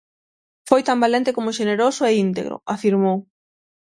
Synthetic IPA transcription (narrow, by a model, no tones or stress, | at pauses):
fojt̪ambalent̪ekomʊʃeneɾosʊeint̪ḛɣɾo̰afiɾmow